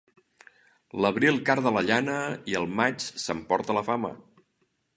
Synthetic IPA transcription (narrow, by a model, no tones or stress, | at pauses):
ləβ̞ɾilˠkaɾðələʎanəiəlˠmat͡ʃsəmpɔɾt̪ələfamə̰